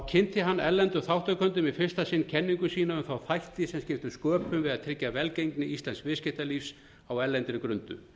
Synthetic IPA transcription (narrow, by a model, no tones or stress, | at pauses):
awcʰɪnt̪ɪɦanːɛɾlɛnt̪ʏθawht̪akʰœnt̪̬ʏmiðfɪr̥st̪asɪnːcʰɛnːiŋkʏsiːnaʏmfawθajht̪ɪsɛmscʲɪft̪ʏskœːpʰʏmvɪðaðt̪ʰɾɪcːavɛlcejŋknɪist̪lanskvɪscɪht̪aliːfs | awɛɾlɛnt̪ɪɾʏkɾʏnt̪ʏ̰